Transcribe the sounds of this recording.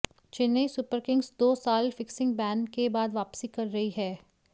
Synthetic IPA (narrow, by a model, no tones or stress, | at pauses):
t͡ʃɪnːəisʊpəɾkɪ̃ŋɡsd̪oːsaːlfɪksɪ̃ŋɡ̚bɛːnkebaːd̪ʋaːpsikɐɾːɐɦiɦɛː